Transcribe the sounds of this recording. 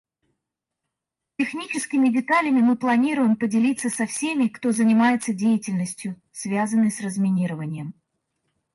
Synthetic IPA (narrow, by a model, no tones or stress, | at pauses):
tʲɪxnʲit͡ɕɪskʲɪmʲɪdʲɪt̪alʲɪmʲɪmɨplˠɐnʲiɾʊjɪmpədʲɪlʲit̪sːəsɐfsʲe̞mʲɪkt̪o̞zənʲɪmajɪt̪sədʲejɪtʲɪlʲnəsʲtʲjʊ | svʲazənːɨjsrəzmʲɪnʲiɾəvənʲɪjəm